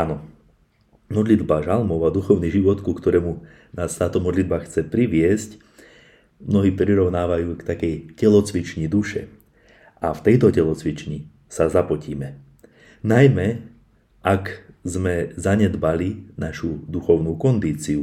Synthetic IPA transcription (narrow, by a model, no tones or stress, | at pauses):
anɔ | mɔd̪lid̪baʒalmɔʊad̪uxɔʊniʒiʋɔt̪kukt̪ɔɾɛːmu | naːst̪aːt̪ɔmɔd̪lid̪baxt͡sɛpɾiʋɪɛsc | mnɔɦiːpɾiɾɔʊnaːʋajuːkt̪akɛjcɛlɔt͡sʋit͡ʃɲid̪uʃɛ̰ | ʔaft̪ɛjt̪ɔcɛlɔt͡sʋit͡ʃɲi | sazapɔciːmɛ | najmɛ | ʔakzmɛzaɲɛd̪balinaʃud̪uxɔʊnuːkɔnd̪iːt͡siu